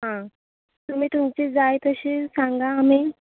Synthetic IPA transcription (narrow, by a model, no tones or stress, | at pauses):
ɦã | t̪um̤iːt̪umt͡ɕed͡zajt̪əɕesãŋɡaːmiː